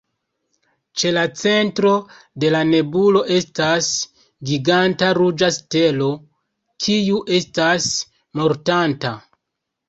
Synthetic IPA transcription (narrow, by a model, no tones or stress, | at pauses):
t͡ʃe̞lat͡se̞ntɾo̞ | de̞lane̞bulo̞ʔe̞stas | ɡiɡantaɾud͡ʒaste̞lo̞ | kʰijuʔe̞stas | mo̞ɾtanta